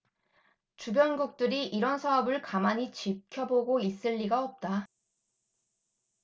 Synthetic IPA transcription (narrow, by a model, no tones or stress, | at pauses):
t͡ɕubjʌnɡuk̚t͈ɯɾiʔiɾʌnsʰaʌbɯɭkamaɲit͡ɕip̚kʰjʌboɡois͈ɯʎːiɡaʌp̚t͈a